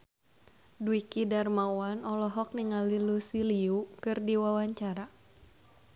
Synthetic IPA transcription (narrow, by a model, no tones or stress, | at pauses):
duikidarmawanɔlɔɦɔk̚niŋalilusiliukɨrdiwawaɲt͡ʃaɾa